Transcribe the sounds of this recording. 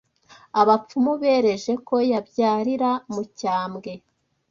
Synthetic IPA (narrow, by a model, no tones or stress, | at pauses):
aβap͡fumuβe̞ːɾe̞ʒe̞ko̞jabjaːɾiɾamucaːmɡe̞